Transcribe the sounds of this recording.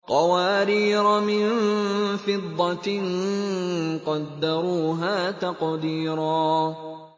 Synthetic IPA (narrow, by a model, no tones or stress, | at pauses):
qɑwaːɾiːɾɑmɪnfɪd̪ˤːɑn | qɑd̪ːɑɾˤuːɦaːt̪ɑqd̪iːɾaː